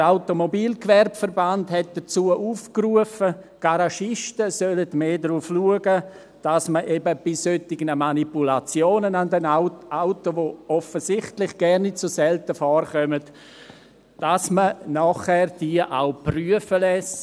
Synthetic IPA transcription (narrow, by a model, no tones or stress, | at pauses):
aʊtomobiːlkʋɛrbfəɾbandhɛt̚d̥ət͡suːəʔuːfkruəfəɡ̥aɾaʃɪʃtəsølətmeːdɾuːfluəɡə | d̥asməʔebəb̥ɪsøtɪɡnəmanipulat͡sjoːnənandɛnʔaʊtoʋoɔfəsɪχtlɪχɡ̥ɛɾnɪtt͡sosɛltəfɔːrχœmət | d̥asmənɔχhɛːrd̥iəʔa̰ʊpryəfəlɛs